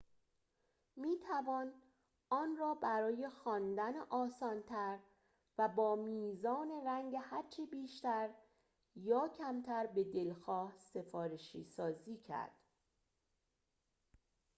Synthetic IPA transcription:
miːt̪ʰævɒːn | ʔɒːnrɒːbæɾɒːje̞xɒːnd̪æneʔɒːsɒːnt̪ʰæɾ | væbɒːmiːzɒːne̞ɾæŋɟehæɾt͡ʃʰebiːʃt̪æɾ | jɒːcʰæmt̪ʰæɾbe̞d̪e̞lxɒːhse̞fɒːɾeʃiːsɒːziːcʰæ̰ɾd̪̥

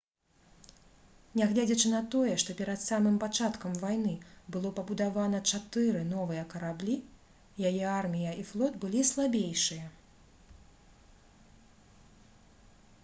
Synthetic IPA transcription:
nʲaɣlʲad͡zʲɐt͡ʂɨnɐt̪ɔjɛʂt̪ɔpʲɛɾɐt̪samɨmpat͡ʂat̪kɐmvajnɨbɨlˠɔpɐbud̪avanɐt͡ʂat̪ɨɾɨnɔvɨjɐkɐɾablʲi | jajɛarmʲijɐiflˠɔd̪bɨlʲislˠabʲejʂɨjɐ

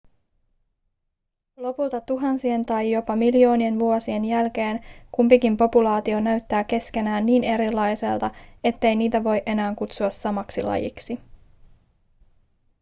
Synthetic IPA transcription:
lo̞pult̪ɑt̪uɦɑnsie̞nt̪ɑjjo̞pɑmiljo̞ːnie̞nʋuo̞sie̞njælk̟e̞ːnkumpikimpo̞pulɑːt̪io̞næɥt̪ːæːke̞ske̞næːnːiːne̞ɾilːɑjse̞̰lt̪ɑe̞t̪ːe̞jniːt̪æʋo̞jʔe̞næːŋkut̪suɑsɑmɑksilɑ̰jḭksi

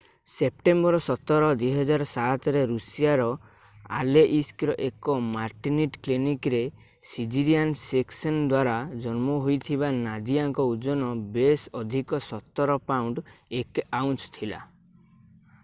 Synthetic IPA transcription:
sep̚ʈembɔɾɔsɔt̪ɔɾɔd̪wiɦɔd͡ʒaɾɔsat̪ɾeɾusijaɾɔ | a̰leʔiskɾɔʔekɔmaɾʈiniʈklinikɾe | sid͡ʒiɾijanseksɔnd̪waɾad͡ʒɔnmɔɦojt̪ʰiβanad̪iaŋkɔud͡ʒɔnɔbesɔd̪ʱikɔsɔt̪ːɔɾɔpawɳɖekawnt͡ʃt̪ʰila̰

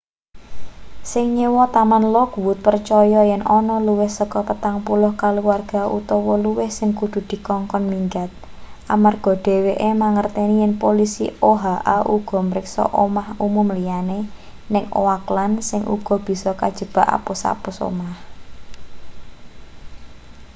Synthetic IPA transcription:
sɪŋɲiwɔt̪amanlɔkwʊt̪̚pərt͡ʃɔjɔjɛnʔɔnɔluwɪhsəkɔpət̪aŋpulʊhkaluwarɡ̥a̤ʔut̪ɔwɔluwɪhsɪŋkud̪̥ṳd̪̥i̤kɔŋkɔnmiŋɡat̪̚ | amarɡ̥ɔ̤ɖ̪̥e̤weʔemaŋərt̪enijɛnpolisḭoɦaʔaʔuɡ̥ɔ̤məɾɪksɔ̰ʔomahumʊmlijane | nɪŋo̰waklansɪŋʔṵɡ̥ɔ̤b̥i̤sɔkad̥ʒ̥ə̤b̥a̤ʔa̰pusa̰puso̰mah

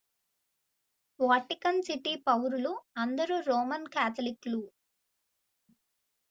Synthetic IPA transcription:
ʋaːʈikɐnsiʈipɐwɾuluɐnd̪ɐɾuɾɔːmɐnkaːt̪ʰɐliklu

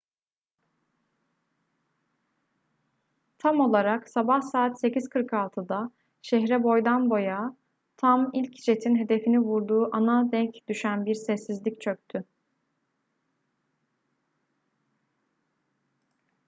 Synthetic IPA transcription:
t̪ʰamo̞lˠaɾaksabahsaːt̪se̞ciz̥kʰɯɾkʰalˠt̪ʰɯd̪a | ʃɛɦɾɛbo̞jd̪anbo̞ja | t̪ʰamilʲcd͡ʒe̞t̪ʰinɦe̞d̪e̞finivuɾd̪uːʔanad̪ɛɲcd̪̥yʃænbiɾsɛsːizlʲict͡ʃʰø̞k̚t̪ʰy

